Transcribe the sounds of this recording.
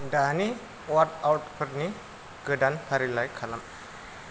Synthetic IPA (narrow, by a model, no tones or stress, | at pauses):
dani | wart̪awt̚pʰəɾni | ɡədanpʰaɾilajkʰːalam